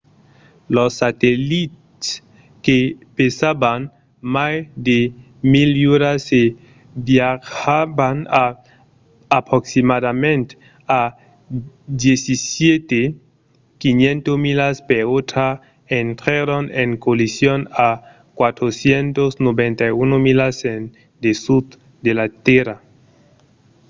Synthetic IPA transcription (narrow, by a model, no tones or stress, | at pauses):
losːat̪elit̪ | s | kepesaban | majd̪e | miljuɾase | bjaxabanaː | pɾoksimadamẽnt̪ | a | d̪jesisjet̪e | kinjẽnt̪omilaspeot̪ɾa | ent̪ɾaɾoneŋkolisjona | kwat̪ɾosjent̪osnoβẽnt̪ajunomilasen | d̪esud | d̪elat̪eɾa